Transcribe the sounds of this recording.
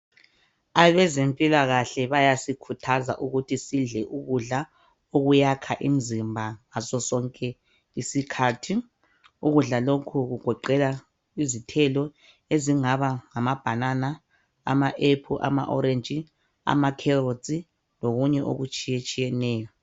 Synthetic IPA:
aβɛzempʼilaɣaɬɛβajasikʰutʰaza̰ʔuɣutʰisiɮɛʔuɣuɮa | oɣujakʰaʔim̩zimbʱaŋasɔsɔŋkʼɛ | isikʰaːtʰi | uɣuɮalokʰuɣuɡ̥ʱɔǃɛla | izitʰɛlɔ | eziŋaβaŋamab̥ʱanana | a̰maʔepʰuʔa̰ma̰ʔɔɾent͡ʃʼi | a̰makʰɛrot͡sʼi | loɣuɲɛʔo̰ɣut͡ʃʼijet͡ʃʼijɛnɛːjɔ

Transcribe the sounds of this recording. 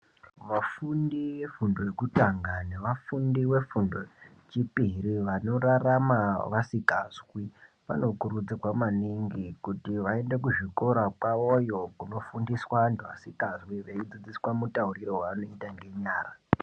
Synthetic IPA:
ʋafundiwe̞fundo̞jekutaŋɡaneʋafundiwe̞fundo̞ | t͡ʃipiriʋano̞ɾaramaʋasikazwi | ʋa̰no̞kuɾud͡zikwamaniŋɡikutiʋae̞ndekuʐiko̞ɾakwaojo̞kuno̞fundiswantuʋa̰sikazwiʋeid͡zid͡ziswamutauriɾo̞waano̞itaŋɡe̞ɲaːra

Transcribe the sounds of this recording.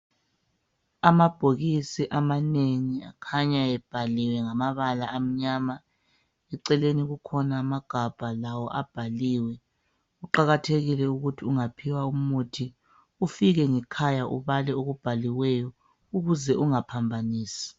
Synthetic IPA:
amab̥ʱoɣisiʔamaneŋiakʰaɲaɛb̥ʱaliwɛŋamaβalaʔːm̩ɲaːma | ɛǀɛleniɣukʰɔnaːmaɡ̥ʱab̥ʱalawɔʔab̥ʱaliːwɛ | uǃaɣatʰeɣilɛuɣutʰiuŋapʰiwaumutʰi | ufiɣɛŋɛkʰajaʔuβalɛoɣub̥ʱaliwɛjɔ | uɣuzɛʔuŋapʰambʱaniːsi̥

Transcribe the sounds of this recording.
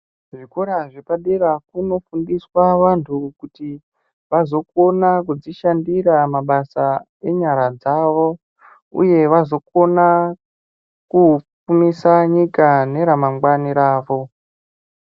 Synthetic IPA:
ʐikoɾaʐepaɗeɾakuno̞fundiswaʋantʰukuti | ʋazo̞ko̞nakud͡ziʃandiɾamaɓasa | e̞ɲaɾad͡zaʋo̞ | ṵje̞ʋazo̞ko̞na | kup͡fumisaɲikane̞ɾamaŋɡwaniɾaːʋo̞

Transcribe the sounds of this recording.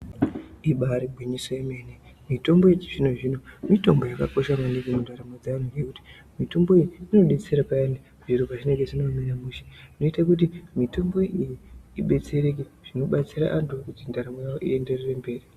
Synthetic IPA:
iɓaɾiɡʱwiɲisoemene | mito̞mbo̞et͡ʃiʐino̞ʐino̞mito̞mbo̞jaka̰ko̞ʃamaniɡemundaɾamod͡zanuje̞kuti̥ | mito̞mboijiino̞ɗe̞t͡se̞ɾapaende | ʐiɾupaʐineŋɡe̞ʐinominamuʃe̥ino̞itak̬ut̬imito̞mbo̞ʔijiiɓe̞t͡se̞ɾe̞k̬eʐ̥ino̞ɓat͡siɾa̰ʔantukutindaɾamojawo̞ʔḭe̞nde̞rere̞mbe̞ːri

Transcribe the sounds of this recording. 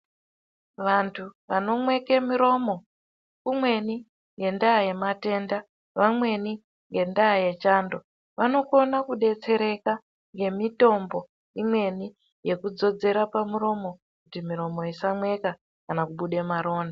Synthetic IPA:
ʋantʰuʋano̞mwe̞kemiɾo̞mo̞ | kumwe̞ni | ŋɡe̞ndaːje̞mate̞ːnda | ʋamwe̞ni | ŋɡe̞ndaːje̞t͡ʃaːndo̞ | ʋano̞ko̞nakuɗe̞t͡se̞ɾe̞ka | ŋɡe̞mito̞mbo̞ | imwe̞ni | je̞kud͡zo̞d͡ze̞ɾapamuɾo̞mo̞ | kutimiɾo̞mo̞isamwe̞ka | kanakuɓuɗe̞maɾo̞ːna

